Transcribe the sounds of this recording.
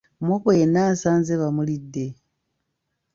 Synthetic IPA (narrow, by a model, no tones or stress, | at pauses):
mwokojenaːnsaːnzeβamulidːe̞